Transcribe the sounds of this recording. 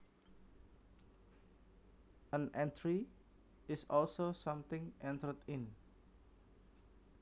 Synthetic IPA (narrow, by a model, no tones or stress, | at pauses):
ə̃nʔɛ̃ntʰɹi | ɪsɔlsosãmt̪ɪ̃ŋʔɛ̃nt̪ərt̪ɪ̃n